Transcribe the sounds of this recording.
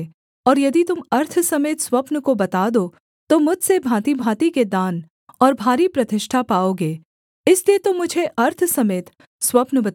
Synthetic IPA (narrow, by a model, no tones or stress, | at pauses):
ɔːɾjɐd̪it̪ʊmɐɾt̪ʰsɐmeːt̪swɐpnkobɐt̪aːd̪o | t̪omʊd͡ʒʱsebʱãːt̪ibʱaːt̪iked̪aːn | ɔːɾbʱaːɾipɾɐt̪ɪʃʈʰapaːoːɡeː | ɪsliet̪omːʊd͡ʒʱeʔɐɾt̪ʰsɐmeːt̪ | swɐpnbɐt̪